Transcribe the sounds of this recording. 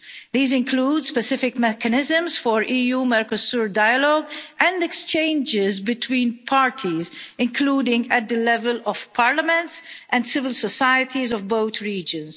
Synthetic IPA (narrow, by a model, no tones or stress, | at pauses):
ðiːzɪ̃nkʰluːdspɛsɪfɪkmɛkənɪzə̃mzfɔɹʔiːjumɛɾkɔsuːɹdajəlɔːɡʔɛ̃ndɛkst͡ʃẽɪ̃nd͡ʒɪzbɪt̪ʰwĩːnpʰaːɹtʰizɪ̃nkʰluːdɪ̃ŋɡæt̪̚d̪əlɛvəlɔv̥pʰaːɹləmɛ̃ntsʔɛ̃ndsɪvɪlsɔsajət̪ʰizɔvboʊt̪ɹiːd͡ʒə̃ns